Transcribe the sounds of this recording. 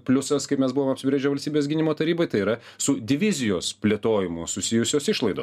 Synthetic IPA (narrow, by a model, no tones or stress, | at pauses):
pʲlʲʊsɐskɐɪpmʲɛsbʊʋoːmɐpʲsʲɪbʲɾʲeːd͡ʒʲɛːʋɐlʲsʲt̪ʲibʲeːsɡʲɪnʲɪmoːt̪ɐɾʲiːbɐɪt̪ɐɪiːɾɐ | sʊd̪ʲɪʋʲɪzʲɪjoːspʲlʲeːt̪oːjɪmʊsʊsʲɪjʊsʲoːsɪʃlˠɐɪd̪o̰ːs